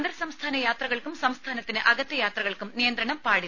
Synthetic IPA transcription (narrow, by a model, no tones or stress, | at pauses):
nd̪ɐɾsɐmst̪ʰaːnɐjaːt̪rɐɣɐɭkumsɐmst̪ʰaːnɐt̪ːinɨʔɐɡɐt̪ːɐjaːt̪rɐɣɐɭkumnijɐnd̪rɐɳɐmpaːɽi